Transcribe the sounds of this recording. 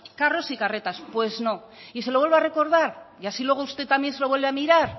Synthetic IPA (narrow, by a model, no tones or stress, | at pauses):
karo̞sikare̞t̪aspwe̞zno̞ | iselo̞βwelβeare̞ko̞ɾðaɾiasilwe̞ɣ̞oust̪e̞t̪ːamje̞nselo̞βwelβeamiɾaɾ